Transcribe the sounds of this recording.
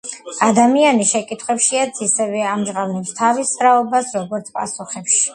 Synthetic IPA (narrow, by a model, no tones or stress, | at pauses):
ad̪amianiʃɛkʼit̪ʰχwɛpʃiad̪sʰisɛvɛamʒʁavnɛpst̪ʰavisɾaɔbasɾɔɡɔɾt̪sʰpʼa̰suχɛpʃi̥